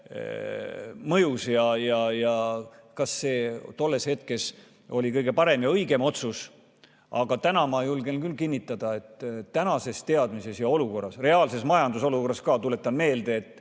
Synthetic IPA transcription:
mɤjusjɑjɑjɑkɑsːe̞ːt̪o̞lːe̞she̞t̪ke̞s | o̞lʲikɤjɡ̥e̞pɑɾe̞mjɑɤjɡe̞mo̞t̪sus | ɑɡ̥ɑt̪ænɑmɑejulɡe̞lnkylːkinːit̪ːˑɑd̪ɑe̞t̪ːænɑse̞st̪e̞ɑd̪̥mise̞sjɑo̞luko̞rːɑsre̞ɑːlse̞smɑjɑnd̪̥uso̞luko̞rːɑskɑːt̪ule̞t̪ːˑɑnme̞ːld̪e̞ːt̪ːˑ

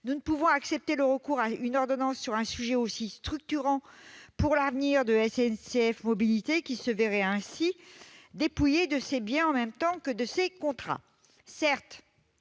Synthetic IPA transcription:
nunəpuvɔ̃aksɛp̚t̪eləʁəkuʁaynɔʁd̪ɔnɑ̃sːyʁɛ̃syʒɛosist̪χyk̚t̪yʁɑ̃puʁlavniʁd̪əɛsɛnseɛfmɔbilit̪ekʲisəvɛʁɛɛ̃sid̪epujed̪əsebjɛ̃ɑ̃mɛmt̪ɑ̃kəd̪əsekɔ̃t̪χa̰ | sɛʁt̪

